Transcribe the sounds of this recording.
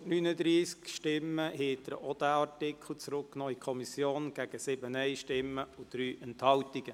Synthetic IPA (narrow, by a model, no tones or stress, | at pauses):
nyːnəd̪ɾiːskʃtɪmːəheːd̪̥əɾɔd̥̪æɑɾtɪkʰl̩t͡sɾʊkːnɔikʰɔmisjoːnɡ̥æɡ̥əsɪbənɛɪʃtɪmːəud̪̥ɾyːʔɛnthɑltiɡ̥ə